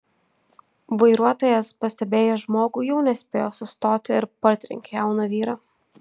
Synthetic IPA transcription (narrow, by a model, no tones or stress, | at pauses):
ʋɐɪɾuɔt̪oːjɛspɐsʲt̪ʲɛbʲeːjoʒmoːɡuːjɛʊnʲɛsʲpʲeːjoːsʊst̪oːt̪ʲɪɪɾpɐɾʲt̪ʲɾʲɪ̰ŋʲkʲejɛˑʊnɐʋʲiːɾɑː